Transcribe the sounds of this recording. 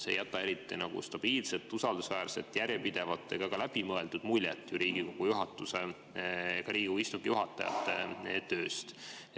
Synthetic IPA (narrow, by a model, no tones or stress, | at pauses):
sḛjæt̪ːˑɑe̞ɾit̪ːˑinɑɡ̥ṵst̪ɑb̥iːlset̪ːˑusɑld̪̥usvæːrse̞̰t̪ːjæɾjepid̪̥e̞vɑt̪ːˑe̞ɡ̥ɑɡ̥ɑlæb̥imɤe̞ld̪ud̪̥mulʲjḛt̪ːˑjuɾiːɡ̥iko̞ɡ̥ujuɦɑt̪ːˑuse | ɡ̥ɑɾiːɡuist̪uŋɡ̥ijuɦɑt̪ːˑɑ̰jɑ̰t̪ːˑḛt̪ø̞ːst̪